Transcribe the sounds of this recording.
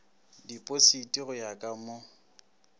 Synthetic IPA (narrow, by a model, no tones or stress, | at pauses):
dipʼositʼiɣʊjakʼamo